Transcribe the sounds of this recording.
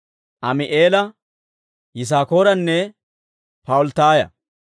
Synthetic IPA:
ʔɐmɪʔeːlɐ | jɪs̬aːko̞ːɾɐnːɛ | pɐʊlt̪aːjɐ̰

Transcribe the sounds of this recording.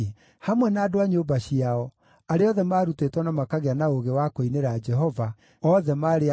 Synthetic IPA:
hamwɛnaːdoaɲobaɕiaɔ | aɾeɔðɛmaːɾutetwanamakaɣeanaoɣewakoineɾad͡ʒɛɦɔva | ɔðɛmaːɾe

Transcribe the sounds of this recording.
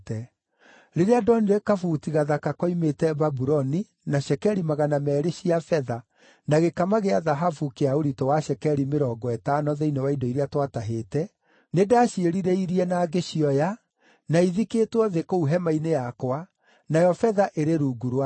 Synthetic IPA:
tɛ | ɾeɾeadɔniɾekafutiɣaðakakɔimetɛbabuɾɔni | naʃɛkɛɾimaɣanamɛːɾeɕiafɛða | naɣekamaɣeaðaɦafukeaoɾitɔwaʃɛkɛɾimeɾɔːɡɔɛtanɔðɛinewaidoiɾeatwataɦeːtɛ | nedaʃieɾiɾeiɾiɛnaːɡeʃiɔja | naiðikeːtwɔðekouɦɛmainejakwa | najɔfɛðaʔeɾeɾuɡuɾwa

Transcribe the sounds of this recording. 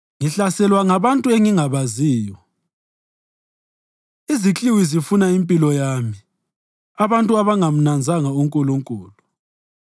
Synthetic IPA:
ŋiɬasɛlwaŋaβantʼuɛŋiŋaβaziːjɔ | izit͡ɬʼiwizifunaimpʼilɔjami | aβantʼuaβaŋam̩nand͡zʱaŋauŋkʼuluŋkʼuːlu

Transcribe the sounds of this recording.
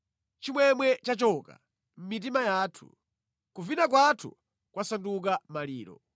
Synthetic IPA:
t͡ʃimwɛmwɛt͡ʃat͡ʃɔka̰ | m̩mit̬imajaːtʰṵ | kuvinak̬watʰṵ | kwasanduk̬amaliːɾɔ̰

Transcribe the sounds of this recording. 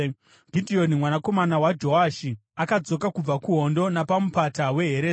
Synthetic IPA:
ɡʱidʱio̞nimwanako̞manawad͡ʒo̞aʃiakad͡zo̞kakub͡vakuɦo̞ndo̞napamupatawe̞ɦeɾeː

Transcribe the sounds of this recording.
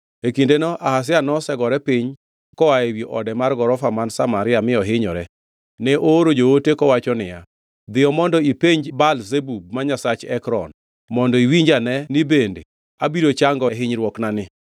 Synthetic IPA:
ekindenɔʔahas̬ɪanɔsɛɡɔɾɛpiɲ | kɔaewjiʔɔdɛmarɡɔɾɔfamansamaɾɪamɪɔɦɪɲɔɾɛ | nɛʔooɾod͡ʒootekɔwat͡ʃɔnɪja | d̪ɪjɔmɔndɔipeɲd͡ʒbalzebub̚maɲasat͡ʃɛkɾɔn | mɔndɔiwiɲd͡ʒanɛnɪbende | abiɾot͡ʃaŋɡɔɦɪɲɾwɔknanɪ

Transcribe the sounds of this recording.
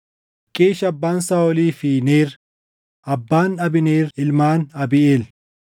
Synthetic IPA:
kʼːeːʃɐbːaːnsaːɔliːfiːneːɾ | ʔɐbːaːnɐbɪneːɾɪlmaːnɐbɪeːl

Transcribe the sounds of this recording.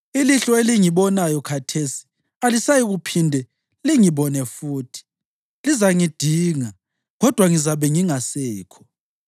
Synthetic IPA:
iliɬɔeliŋiβɔnajɔkʰatʰesi̥ | alisajiɣupʰindʱɛ | liŋiβɔnɛfuːtʰi̥ | lizaŋid̥ʱiːŋa | ɣɔd̥ʱwaŋizaβɛŋiŋasɛːkʰɔ̥

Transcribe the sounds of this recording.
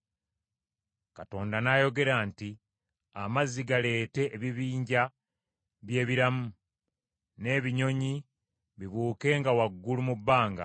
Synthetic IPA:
kato̞ːndanajo̞ɡe̞ɾanti | amaziɡale̞ːte̞ːβiβiːɲɟa | βje̞ːβiɾamu | ne̞ːβiɲo̞ɲi | βiβuːke̞ːŋɡawaɡːulumubːaːŋɡa̰

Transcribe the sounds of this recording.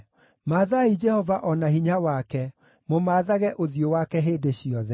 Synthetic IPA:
maːðaid͡ʒɛhɔvaʔɔnahiɲawakɛ | momaːðaɣɛʔoðijowakɛɦeːdeɕiɔðɛ

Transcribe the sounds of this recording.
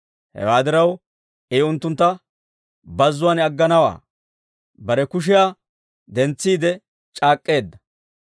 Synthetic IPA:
hɛ̰waːd̪ɪɾɐw | ʔejʊnt̪ːʊnt̪ːɐ | bɐzːʊwaːnɐɡːɐnɐwa̰ː | bɐɾɛkʊʃ̬ɪjaː | d̪ɛnt͡sːiːd̪ɛ | t͡ʃʼaːkʼːe̞ːd̪ːɐ̥

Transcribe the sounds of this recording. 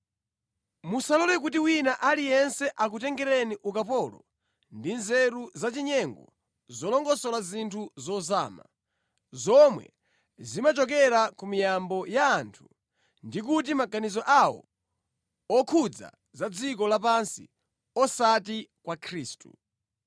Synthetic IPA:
musalɔlɛk̬utiwinaʔalijɛnsɛʔakutɛŋɡɛɾɛniʔukapɔlɔ̰ | ndinzɛɾuzat͡ʃiɲɛŋɡɔ̰ | zɔlɔŋɡɔsɔlazintʰuzɔza̰ːma̰ | zɔmwɛ̰ | zimat͡ʃɔkɛɾakumijambɔjaːntʰu̥ | ndik̬utimaɡanizɔʔawɔ̰ | ɔkʰud͡za̰ | zad͡zik̬ɔlap̬ansḭ | ɔsatikwakʰɾiːstṵ

